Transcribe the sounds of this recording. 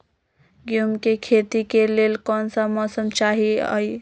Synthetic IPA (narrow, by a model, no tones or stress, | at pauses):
ɡjumkekʰet̪ikelelkɔnsəmʌsəmt͡ʃaɦiə̰j